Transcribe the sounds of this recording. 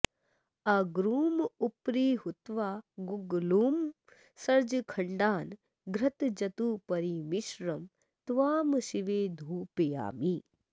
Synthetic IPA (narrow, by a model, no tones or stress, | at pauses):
ɐɡɾuːmupɾiːɦut̪ʋaːɡuɡluːm | sɐɾd͡ʒkʰɐɳɖaːn | ɡɾɐt̪d͡ʒɐt̪uːpɐɾiʋiʃɾɐm | t̪ʋaːmʃiʋeːd̪ʱuːpija̰ːmiː